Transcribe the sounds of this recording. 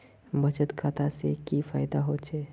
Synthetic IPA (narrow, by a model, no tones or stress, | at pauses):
bʱət͡ʃət̪kʰaːt̪ʰasekifaːjd̪aɦoːt͡ʃʰeː